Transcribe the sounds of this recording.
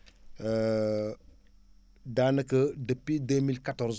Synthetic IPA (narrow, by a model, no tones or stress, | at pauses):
ə | daːnəkədəpidemilkatɔɾz